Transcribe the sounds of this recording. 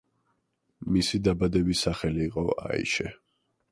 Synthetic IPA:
misid̪abad̪ɛbisaχɛliːqʼɔa̰ḭʃɛ

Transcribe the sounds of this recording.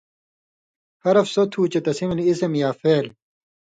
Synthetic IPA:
hɐɾɐfsot̪ʰuːt͡ɕet̪ɐsimiliisemjaːfeːl

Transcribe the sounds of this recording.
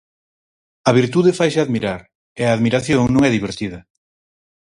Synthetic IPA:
ɐβiɾt̪uðɪfajsɪaðmiɾaɾ | ɪɐːðmiɾaθjoŋnõŋɛðiβ̞eɾt̪iðɐ

